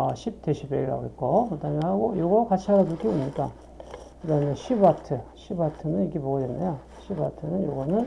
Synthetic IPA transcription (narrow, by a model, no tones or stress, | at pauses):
ʌɕʰip̚teɕʰibeɾa̰oik͈omɯtʰaɲɦaɡojoɡʌkat͡ɕʰiɦaɾatuk͈ʰiomɲik͈a | kɯɾʌneɕʰibwatʰɯɕʰibwatʰɯnɯniɡepoɡʌdenːajo | ɕʰibwatʰɯnɯnjoɡʌnɯn